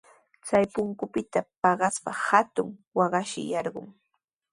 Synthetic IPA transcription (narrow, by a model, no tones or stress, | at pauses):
t͡sajpʊŋkʊpɪt̪apɑɢɑspahat̪ʊŋwɑɢɑʃɪ̰jɑɾɢʊ̰ŋ